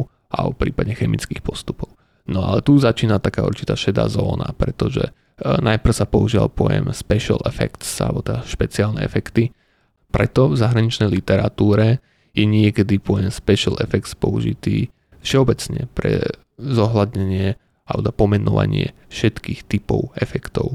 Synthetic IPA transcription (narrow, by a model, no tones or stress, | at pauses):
a̰ɔpɾiːpad̪ɲɛxɛmit͡skiːxpɔst̪u̥pɔʊ | nɔa̰lɛt̪uzat͡ʃiːnat̪akaːṵɾt͡ʃi̥t̪aːʃɛd̪a̰ːzɔ̰ːna̰pɾɛt̪ɔʒɛ̰ | najpr̩ʊsapɔuʒiːʋa̰lpɔjɛ̰mspɛʃa̰lɛ̰fɛ̰kt̪sa̰lbɔt̪ɛd̪aʃpɛt͡siaːlnɛ̰ɛ̰fɛkt̪i | pɾɛt̪ɔvzaɦɾaɲit͡ʃnɛjlit̪ɛɾat̪uːɾɛ | jɛɲɪɛkɛd̪ipɔjɛmspɛʃalɛfɛkt̪spɔuʒḭt̪iː | fʃɛɔbɛt͡sɲɛ̰pɾɛ̰ | zɔɦlad̪ɲɛɲɪɛ | alɛd̪apɔmɛnɔʋa̰ɲɪɛ | fʃɛt̪kiːxt̪ipɔʊɛfɛkt̪ɔʊ